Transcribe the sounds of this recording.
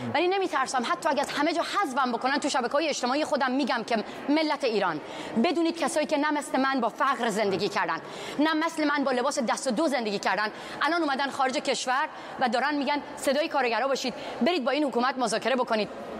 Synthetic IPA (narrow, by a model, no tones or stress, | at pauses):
væline̞miːt̪ʰæɾsæmɦæt̪ʰːɒːæɡæzhæme̞d͡ʒɒːhæzvæmbokʰo̞nænt̪ʰuʃæbækʰeɒːjeːʃt̪e̞mɒːijexo̞d̪æmːiːɟæmcʰe | me̞lːæt̪ʰeiːɾɒːn | be̞d̪uːniːd̪̚kʰæsɒːjiːcʰe̞næmæsle̞mænbɒːfæɣɾze̞nd̪e̞ɡiːcʰæɾd̪æ̰n | næmæsle̞mænbɒːle̞bɒːsed̪æst̪od̪oze̞nd̪e̞ɡiːcʰæɾd̪ænd̪ | ʔælɒːnuːmæd̪ænxɒːɾed͡ʒece̞ʃvæɾ | væd̪ɒːɾænd̪miːɡænse̞d̪ɒːjekʰɒːɾeɡæɾɒːbɒːʃiːd̪be̞ɾiːd̪̚bɒːiːnhokuːmæt̪̚mozɒːkʰe̞ɾe̞bo̞kʰo̞niːd̪̥